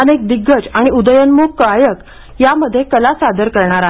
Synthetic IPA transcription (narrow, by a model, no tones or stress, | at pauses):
ənek̚d̪iɡːət͡saɽ̃iud̪əjənmokkajək | jaməd̪ʱːjekəlasad̪əɾkəɾɳaɾa